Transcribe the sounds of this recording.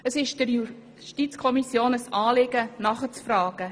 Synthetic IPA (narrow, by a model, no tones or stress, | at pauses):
əsɪʃd̥əɾju | ʃtit͡skʰɔmisjoːnəsɑːlɪɡ̥ənɑχət͡sfrɑːɡ̥ə